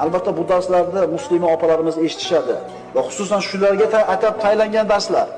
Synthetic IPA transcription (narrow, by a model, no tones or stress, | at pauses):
albat̪ʰːabʊd̪aɾslaɾd̪amʊslɪmiɒpʰalaɾɪmɪze̞ʃɪ̥t̪ʰɪ̥ʃad̪ɪ | vaχʊ̥sʊsanʃʊlaɾɡʲaat̪ʰap̚t̪ʰajlaŋɡʲand̪aɾslaɾ